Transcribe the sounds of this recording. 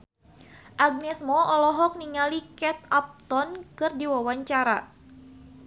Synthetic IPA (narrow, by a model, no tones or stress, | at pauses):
ʔaɡ̚nɛsmɔʔɔlɔɦɔk̚niŋalikɛt̪̚ap̚t̪ɔnkɨrdiwawaɲt͡ʃaɾa